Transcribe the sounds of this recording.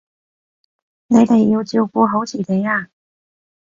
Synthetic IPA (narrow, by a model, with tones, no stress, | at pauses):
ne˧˥ɪt̪e˨˩jo˧˩ʊt͡ɕjo˥˧˩ʊku˥ɦo˧˥t͡ɕʰi˨˩t̪e˨˧˦ja˥˧˩